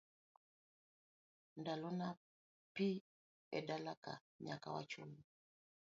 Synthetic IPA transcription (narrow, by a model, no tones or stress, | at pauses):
ndalɔna | pi | ɛ̰dalaka̰ | ɲaka̰wa̰t͡ʃɔlu